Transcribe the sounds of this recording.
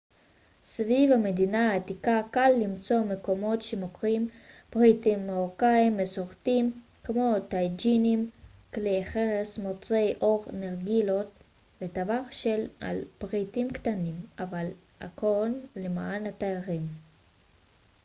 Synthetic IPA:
svivamedinaːtikakalːimt͡so̞me̞ko̞mo̞tʃemokʁimpʁitimːeʁokaimːesoʁtim | kmo̞t̪ajd͡ʒinimkleχeʁesmot͡sejʔo̞ʁneʁɡilo̞t | vet̪avaχʃela̰lpʁitimktanimaval | ʔakonlemaːnat̪aaʁim

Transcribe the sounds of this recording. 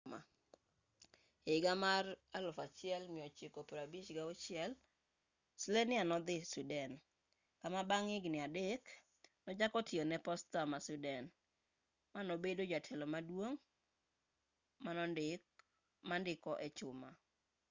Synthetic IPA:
ma̰ | eɡamaralʊfat͡ʃɪɛlmɪɔt͡ʃekopuɾabit͡ʃɡaʊt͡ʃɪɛl | slenɪanɔd̪ɪsudɛn | kamabaŋɪɡnɪadek | nɔd͡ʒakɔtɪonɛpɔstamasudɛn | manobedod͡ʒatʰɛlɔmadwoŋ | manɔndɪk | mandɪkɔʔɛt͡ʃʊma

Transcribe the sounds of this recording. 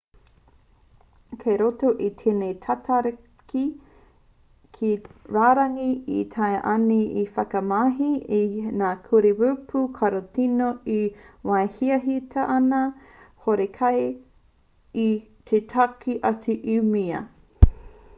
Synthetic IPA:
kʰeɾotoʔitʰenetʰatʰaɾ | ki | kʰiɾaːɾɐŋiḭt̪ʰɐeʔɐniifɐkɐmaɦiinaːkʰuɾewupʰukʰɐɾotinoiwaehiɐɦitʰɐʔɐnɐ | hoɾekʰɐj | i | t̪ʰetʰakʰiʔɐt͡siʔimiɐ̰

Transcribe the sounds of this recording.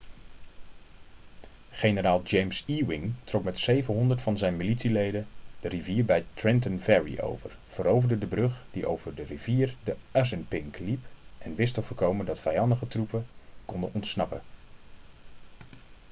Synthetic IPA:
χejnəraːlˠd͡ʒejmsiwɪŋtrɔkmɛtsejvənɦɔndəɹtfɑnzɛjnmilitsilejdəd̥əriviːɹbɛjtɹɪnt̬ənvɛɹḭʔo̰wvə̰r | v̥əɾowvərdədəbrɵχd̥iʔo̰wv̥ərdəriv̥iːrdəʔɛsənpɪŋklipʔɛnʋɪstɔvəɹkowməndɑtfɛjɑndəχətrupəkɔndənʔɔntsnɑpə̰

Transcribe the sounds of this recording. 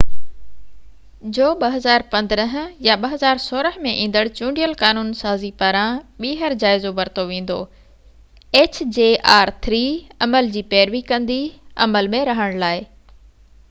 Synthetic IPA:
d͡ʑoːɓɐɦɐzaːɾpɐ̃nd̪əɾəɦ̆jaɓɐɦɐzaːɾsoːɾəɦmẽʔĩːnd̪əɽt͡ɕũːɳɖijəlkaːnuːnsaːzipaːɾãɓiːɦəɾd͡ʑaːɪzoʋɐɾt̪oʋẽːn̆d̪o̰ː | eːt͡ɕd͡ʑeːʔaːɾt̪ʰɾiːɐməld͡ʑiːpɛːɾʋikɐ̃nd̪iɐ̰məlmẽɾɐɦəɽ̃laːɪ

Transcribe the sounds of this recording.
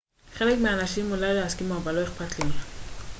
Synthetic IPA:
χelekmeanaʃimːulaleaskimaabaloeχpat̪lima

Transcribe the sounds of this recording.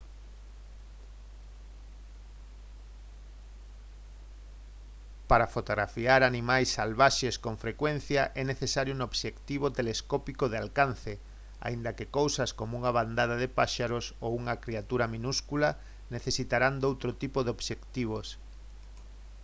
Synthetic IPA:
paɾafot̪oɣɾafiaɾanimajsːalβaʃeskoɱfɾekwen̟θjaʔɛneθesaɾjonoβʃekt̪iβ̞ot̪eleskɔpikoðealkan̟θe | a̰ind̪ɐkɪkowsaskomouŋaβand̪aðaðepaʃaɾosowuŋɐkɾiat̪uɾamĩnuskula | neθesit̪aɾand̪owt̪ɾot̪ipoðeoβʃekt̪iβ̞os

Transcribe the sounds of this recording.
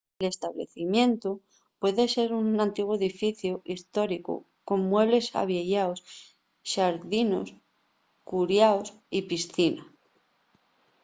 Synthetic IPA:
ele̞st̪aβlḛθimjẽ̞nt̪u | pwe̞ðe̞se̞ɾunãnt̪iɣwoe̞ðifiθjuʔist̪o̞ɾiko̰ | ko̞mːwe̞βle̞sa̰βjeʝaos | ʃaɾðino̞̰s | kuɾjaos | ipisθina

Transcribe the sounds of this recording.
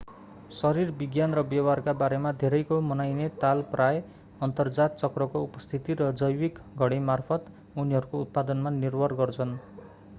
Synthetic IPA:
sʌɾirbiɡjanrʌbjʌwarkabaɾemad̪ʱeɾʌjkomʌnajnet̪alprʔaj | ʌnt̪ʌrd͡zat̪̚t͡sʌkrʌkoupʌst̪ʰit̪iɾʌd͡zʌjwikɡʱʌɽ̃emarpʰʌt̪ | uniɦʌɾukout̪̚pad̪ʌnmanirbʱʌrɡʌrt͡sʰʌn

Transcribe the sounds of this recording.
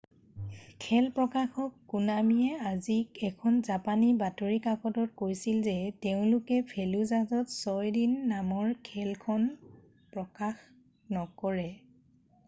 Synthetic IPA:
kʰɛlpɹɔkaxɔkːunamiɛazikɛkʰɔnzapanibatoɹikakɔtɔt̚kojsilzɛteʊ̃lʊkɛpʰɛluzazɔtsɔjdinːamɔɹkʰɛlkʰɔn | pɹɔkax | nɔkɔɹɛ

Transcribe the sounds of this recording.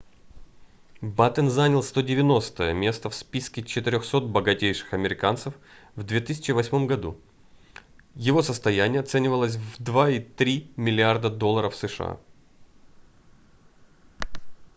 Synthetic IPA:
bat̪ənzanʲɪlˠst̪o̞dʲɪvʲɪno̞st̪əjəmʲe̞st̪əfspʲiskʲɪt͡ɕɪt̪ɪɾʲoxso̞t̪̚bəɡɐtʲejʂɨ̥xɐmʲɪɾʲɪkant̪səf | vd̪vʲet̪ɨsʲɪ̥t͡ɕɪvɐsʲmo̞mɡɐd̪ṵ | jɪvo̞səst̪ɐjænʲɪjəɐt̪sɛnʲɪvəlˠəs̬ʲvd̪vait̪ɾʲimʲɪlʲɪard̪əd̪olˠːəɾəfsɨʂɨ̰a̰

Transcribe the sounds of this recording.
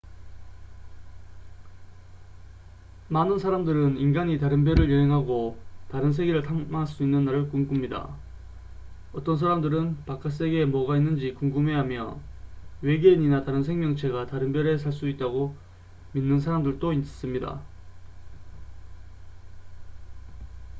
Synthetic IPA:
manɯnsʰaɾamdɯɾɯninɡaɲitaɾɯnbjʌɾɯɭjʌɦe̞ŋɦaɡotaɾɯnsʰe̞ɡiɾɯɭtʰaŋmaaɭs͈uinːɯnːaɾɯɭkuŋɡumɲida̰ | ʌt͈ʌnsʰaɾamdɯɾɯnpak͈as̬͈e̞ɡe̞mʌɡainːɯnd͡ʑikuŋɡumɦe̞ɦamjʌ̰ | we̞ɡeɲinataɾɯnsʰe̞ŋmjʌŋt͡ɕʰe̞ɡataɾɯnbjʌɾe̞sʰaɭs͈uit̚t͈aɡo | minːɯnsʰaɾamdɯɭt͈ois͈ɯmɲida̰

